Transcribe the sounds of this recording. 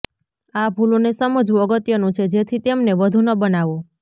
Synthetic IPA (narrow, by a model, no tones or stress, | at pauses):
abʱulonesəməd͡ʒʋũəɡət̪jənũt͡ʃʰed͡ʒet̪ʰit̪emneʋəd̪ʱunəbənaʋo